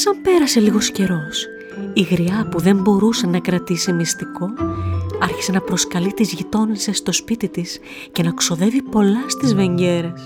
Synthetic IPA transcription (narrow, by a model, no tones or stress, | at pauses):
sɐmpe̞ɾɐse̞liɣo̞sce̞ɾo̞s | iɣɾiɐpuðe̞mbo̞ɾusenɐkɾɐt̪isimist̪iko̞ | ɐɾçi̥se̞nɐpɾo̞skɐlit̪izʝit̪o̞nisest̪o̞spit̪it̪is | ce̞nɐkso̞ðe̞vipo̞lɐst̪izve̞ɲɟe̞ɾes